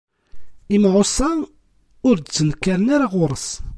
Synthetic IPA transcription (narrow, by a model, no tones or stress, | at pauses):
imʕosˤːɑ | ʊɾd̪t͡sːənkːaɾənaɾaʁʊɾˤəs